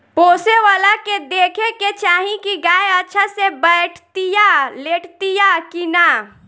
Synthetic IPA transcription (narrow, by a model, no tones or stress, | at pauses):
poːseʋaːlaked̪eːkʰeket͡ʃaːɦĩkiɡaːeətːʃʰasebəʈʰt̪ijaleːʈʰt̪ijakina